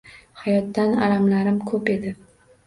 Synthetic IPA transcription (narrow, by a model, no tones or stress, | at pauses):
hajɒt̪ːana̰lamlaɾɪmkʰɵpe̞d̪ɪ